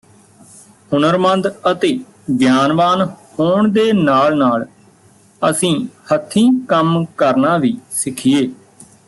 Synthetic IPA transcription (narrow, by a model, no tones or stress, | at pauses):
hʊnəɾmə̃nd̪ət̪eː | ɡjaːnʋaːnhoːɳd̪eːnaːlnaːl | əsĩːhət̪ʰːĩːkəmkəɾnaːʋiːsɪkʰːɪjeː